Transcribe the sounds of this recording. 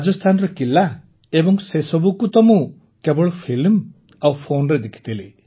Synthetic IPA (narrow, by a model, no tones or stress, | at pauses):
ad͡ʒɔst̪ʰanɔɾɔkila | ebɔŋsesɔbukut̪ɔmu | kebɔɭɔpʰilm | awpʰonɾed̪ekʰi̥t̪ʰile